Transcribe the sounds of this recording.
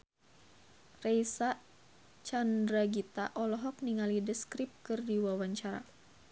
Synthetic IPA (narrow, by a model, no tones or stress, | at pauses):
rejsa | t͡ʃandɾaɡit̪aʔɔlɔɦɔk̚niŋalidəskɾip̚kɨrdiwawaɲt͡ʃaɾa̰